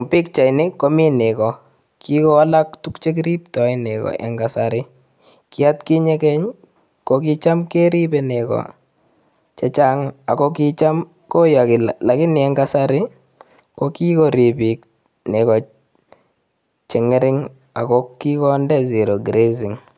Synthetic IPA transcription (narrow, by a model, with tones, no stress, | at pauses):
pi˦k̚t͡ʃa˨jnɪ˦ko˦mi˦nɪ˨kɔ˨ | ki˦kɔ˦a˦la˦ktu˦kt͡ʃe˦k̬ɾi˦p̚tɔ˨ɪ˦nɪ˨kɔ̰˨ʔɛ̰˨ŋɡa˨saɾɪ˦ | kɪ˦a˦tki˦ɲe˦kɛ˦ɲ | kok̬i˦t͡ʃa˦mke˦ɾi˦pɛ˨ne˨kɔ̰˨ | t͡ʃɛ˦t͡ʃa˦ŋa˨ko˦ki˦t͡ʃa˦m | ko˦ja˨kɪ˨lla˨kɪ˦nɪ˨ɛ˦ŋɡa˦sa˦ɾɪ˦ | ko˦ki˦ko˨ɾi˨pi˨k̚ | ne˨kɔ˨ | t͡ʃɛ˨ŋɪ˦ɾɪ˦ŋ | a̰˨kɔ˦ki˦kɔ˦ndɛ˦zi˨ɾo˨ɡɾe˦zi˨ŋ